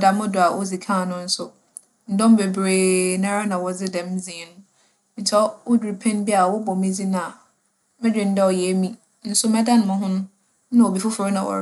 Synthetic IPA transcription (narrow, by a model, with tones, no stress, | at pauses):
da˨mʊ̃˦dʊ˨a˨wʔɔ̰˦d͡zi˨kʰã˦˨nʊ̃˦n̩˦sʊ˦ | n̩˦dɔ̃˦m˦be˨bɾeː˨nã˦ɾa˦nã˨wɔ˨d͡zɪ˦dɛ̃˨m˦d͡zĩ˨nʊ̃˦ | n̩˨t͡sʰɛ˦wʊ˦du˨ɾi˨pʰɛ̃˦nbi˦a˨wɔ˦bɔ˨mĩ˦d͡zi˦nã˨ | mɪ̃˦dᶣɪ˨n̩˦dɛ˦ɔ˨jɛ˨˦mĩ˦ | n̩˦sʊ˦mɛ̃˦da˦n˨mʊ̃˦ɦʊ̃˦nʊ̃˦ | nã˦o˨bi˨fʊ˦fʊ˨ɾɪ˦nã˨wɔ̰˨